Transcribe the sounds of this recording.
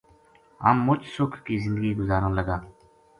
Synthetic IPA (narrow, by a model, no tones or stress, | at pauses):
ɦə̰mːʊt͡ʃsʊkʰkiːzɪ̃nd̪əɡiːɡʊzaːɾə̃ːləɡaː